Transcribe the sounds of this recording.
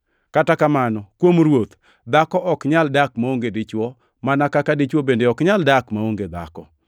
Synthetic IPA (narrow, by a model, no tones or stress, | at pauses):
katakamanɔkwomɾwot̪ | d̪akɔʔɔkɲaldakmaoŋɡedɪt͡ʃwɔ | manakakadɪt͡ʃwɔbendeɔkɲaldakmaoŋɡed̪a̰kɔ̰